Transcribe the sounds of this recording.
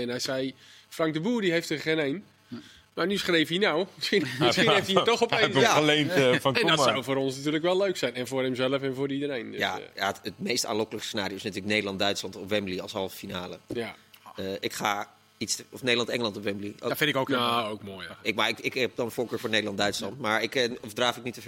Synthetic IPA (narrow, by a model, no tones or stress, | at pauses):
ɛnɦɛjsɛj | frɑŋk̚dəbuːdiɦejftəχenejn | manysχrejfinawmɪsxinməsxnejftitɔxɔpenjaəlejnfɔnɛndɔtsawfoːɾɔnsnatyːləkʋɛlˠløɥksɛjnɛnvoːɹɦɛmzɛləfɛnvʊːdəidəɾejndjajaətmejsta̰ːnlɔkələkəsənaːrijowɪsnatyːləknejdəlɑndœɥtslɑntɔpʋɛmbliɑ̰lˠsɦɑlˠvəfinaːlə | əʔɪkχaː | itsɔfnejdəlˠɑntɛŋəlɑntɔpʋɛmblio̰fɪntɪkokaowkmoːjɪkmaɪɪkɛp̚dɔnənvoːɹkøːɹfʊːɹnejdəlˠɑndœɥtslɑntmaːɹɪkɔfdraːfɪk̚nitə